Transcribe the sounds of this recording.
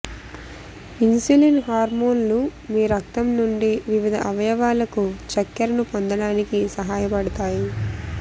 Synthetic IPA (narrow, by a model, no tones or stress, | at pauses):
insulinɦaːɾmoːnlumiːɾɐk̚t̪ɐmnuɳɖiʋiʋid̪ʱɐʔɐʋɐjɐʋaːlɐkut͡ʃɐkːɐɾɐnupond̪ɐɽaːnikisɐɦaːjɐpɐɽɐt̪aːji